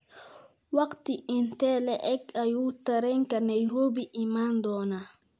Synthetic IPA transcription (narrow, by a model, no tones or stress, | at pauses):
wɐkt̪iintɛlɛʔɛkajuːtaɾɛŋkanajɾoːbiʔimand̪ɔna